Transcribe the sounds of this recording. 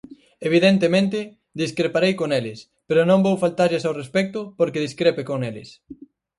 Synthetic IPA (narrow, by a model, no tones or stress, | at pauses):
eβ̞iðent̪emẽnt̪ɪ | d̪iskɾepaɾejkoŋelɪs | peɾʊnõmbowfalt̪aɾʎɪsawrespɛk̚t̪ʊpoɾkeð̞iskɾepekoŋelɪ̰s